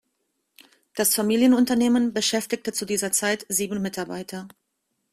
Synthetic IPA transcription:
d̥asfamiːljənʊntɐneːmənbəʃɛftɪktət͡sudiːzɐt͡saɪtz̥iːbn̩mɪtaɐba̰ɪtʰɐ

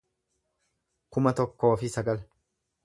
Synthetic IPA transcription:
kʊmɐt̪ɔkːo̞ːfɪsɐɡɐl

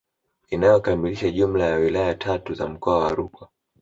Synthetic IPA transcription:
inajɔkamiliʃaʄum̩lajawilajatʰatuza̰m̩kɔawaːɾukwa

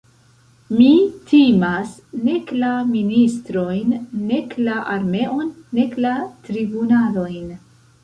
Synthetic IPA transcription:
mitimas | ne̞klaministɾo̞jnːe̞klaʔaɾme̞ʔonːe̞klatɾibunalo̞jn

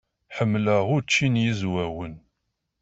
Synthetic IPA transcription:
ħəmːləʁʊɾt͡ʃːinjizwæwən

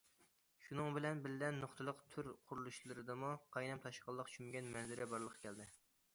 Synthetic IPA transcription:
ʃunɨŋbɪlɛnbɪllɛnːoχt̪ʰɨlˠəqt̪ʰyɾqʰʊɾulˠuʃlˠɨɾɨd̪ɨmuqʰɑjnɛmt̪ʰɑʃqəlˠːəqt͡ʃʰymɡʲɛnmɛnzɪɾɪbɑɾlˠəqʰɑ̥kʲʰɛld̪ɪ

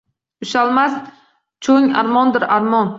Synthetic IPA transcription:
ʊʃalˠmas | t͡ʃʰoŋa̰ɾmɒnd̪ɪɾaɾmɒn

